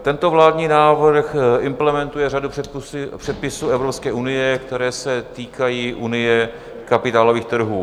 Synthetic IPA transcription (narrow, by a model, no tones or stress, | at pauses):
t̪ɛnt̪ovlaːd̪ɲiːnaːvr̩xɪmplɛmɛnt̪ujɛraduɛsr̥ɛt̪̚pɪsuːɛvɾopskɛːʔunɪjɛkt̪ɛɾɛːsɛt̪iːkajiːʔunɪjɛ | kapɪt̪aːlo̞viːxt̪r̩ɦuː